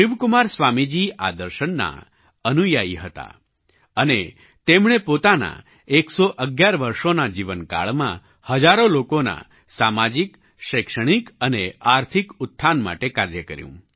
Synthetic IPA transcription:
ʃɪʋkumaɾsʋamid͡ʒia̰d̪əɾʃənːa̰ | ənujaiɦət̪a̰ | əne | t̪emɽ̃epot̪ana̰ | eksoʔəɡjaɾʋəɾʃonad͡ʒiʋənka̰ɭmã̰ | həd͡ʒaɾolokona̰ | samad͡ʒik | ʃəkʃəɽ̃ikəneaɾt̪ʰikʊt̪ʰːanma̰ʈekaɾjəkəɾjṵ̃

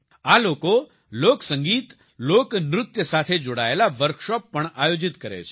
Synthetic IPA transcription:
aloko | loksəŋɡiːt̪ | loknɾʊt̪jəsat̪ʰed͡ʒoɽaelaʋəɾkʃɔpːəɳajod͡ʒɪt̪kəɾḛt͡ʃʰe̥

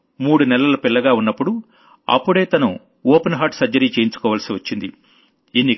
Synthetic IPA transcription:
muːɽunɛlɐlɐpilːɐɡaːunːɐpːuɽu | ɐ̰pːuɽe̞ːt̪ɐnu | oːpenɦaːʈsɐd͡ʒɐɾiːt͡ʃe̞ːjiɲt͡ʃu̥kɔːʋɐːlɐsiʋɐt͡ʃːind̪ḭ | inːi

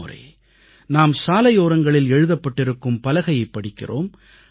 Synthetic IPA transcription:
rɐ̰ɪ | naːmsaːlɐjoːɾɐŋɡɐɭɪlɛɻɯðɐpːɐʈːɪɾɯkːɯmpɐlɐɣɐjɐɪpːɐɽɪkːɪ̰ro̰ːm

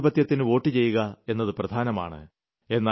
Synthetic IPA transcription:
bɐt̪jɐt̪ːinɨo̞ːʈːit͡ɕe̞jːuɣɐe̞nːɐðɨprɐd̪ʱaːnɐma̰ːɳɨ̰ | e̞nːaː

